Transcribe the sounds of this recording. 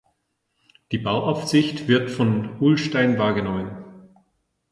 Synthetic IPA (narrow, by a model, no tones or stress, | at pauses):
d̥iːbaʊʔaʊfz̥ɪçtv̥ɪɐtfɔnʔulʃtaɪnvaːɐɡənɔmən